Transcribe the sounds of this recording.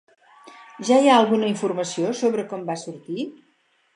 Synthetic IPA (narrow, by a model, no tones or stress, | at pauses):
ʒajaəlˠɣunəiɱfurməsiosoβɾəkɔmbasuɾt̪i